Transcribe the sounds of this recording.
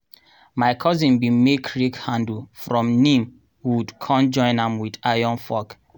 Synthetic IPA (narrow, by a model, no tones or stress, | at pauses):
maɪkʰɔzĩnbimekʰɹikhãndulfɹɔ̃mnĩm | wudkʰɔ̃nd͡ʒɔ̃ɪ̃nãmwidajɔ̃nfɔk